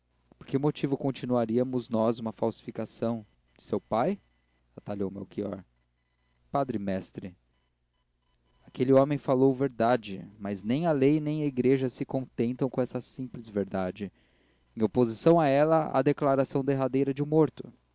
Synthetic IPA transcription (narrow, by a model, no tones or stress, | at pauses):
poɾkɪmot͡ʃivʊkõnt͡ʃinuaɾiɐmʊznɔzũmɐfawsi̥fikasɐ̃w̃ | d͡ʒɪsewpaj | at̪alowmḛwkiɔ̰ɾ | pad̪ɾɪmɛst̪ɾɪ | akelɪɔ̃mẽj̃falowveɾd̪ad͡ʒɪmaznẽj̃ɐlejnẽj̃ɐiɡɾeʒɐsɪkõnt̪ẽnt̪ɐ̃w̃kõɛsɐsĩplɪzveɾd̪ad͡ʒɪ | ẽj̃opozisɐ̃w̃aɛlɐa̰d̪eklaɾasɐ̃w̃d̪eɦad̪ejɾɐd͡ʒɪʊmoɾt̪ʊ